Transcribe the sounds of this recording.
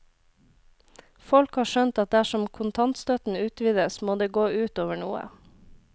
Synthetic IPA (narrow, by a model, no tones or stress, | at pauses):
fɔlkhɑːʃœnt̪ɑt̪̚d̪æʃɔmkʰʊnt̪ʰɑnt̪st̪œt̪n̩ʉːt̪ʋiːd̪əsmoːd̪eːɡoːʉːt̪oːʋəɳuːə̰